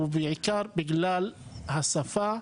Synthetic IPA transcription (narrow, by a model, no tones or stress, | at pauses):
bɪʕɪkɑːɾˤbɪɡlaːlhasˤːafaː